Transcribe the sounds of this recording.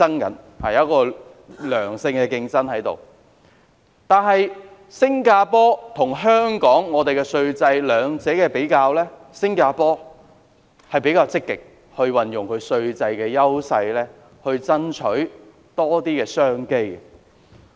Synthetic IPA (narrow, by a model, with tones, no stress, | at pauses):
ɐ˥ŋkɐ̰˨˥n | ha˨˩j̚kɔː˧ | lœː˨˩ŋsɪ˧ŋkɛː˧kɪ˧ŋt͡sɐ˥nhɐ˨˥jt̪o̰˨˩w | t̪aː˨nɦɐ˨j | sɪ˥ŋkaː˧pɔː˥t̪ʰʊ˨˩ŋɦœː˥ŋkɔː˨˥ŋːɔː˨˧t̪e˨jkɛ˧sɵ˧ɥt͡sɐ˧jlœː˨˧ŋt͡sɛː˨˥kɛː˧pe˨˥jkaː˧wlɛː˥ | sɪ˥ŋkaː˧pɔː˥ | hɐ˨jpe˨˥jkaː˧wt͡sɪ˥kːɪ˨k̚ | hɵ˧ɥwɐ˨njʊ˨˩ŋkʰɵ˨˧ɥsɵ˧ɥt͡sɐ˧jkɛː˧jɐ˥wsɐ˧jlɛː˥ | hɵ˧ɥt͡sɐ˥nt͡ʃʰɵ˨˥ɥ | t̪ɔː˥t̪iː˥kɛː˧sœː˥ŋke˥jɛ˨